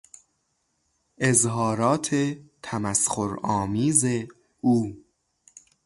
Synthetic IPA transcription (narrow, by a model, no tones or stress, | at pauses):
ʔezɦɒːɾɒːt̪ʰet̪ʰæmæsxoɾɒːmiːze | uː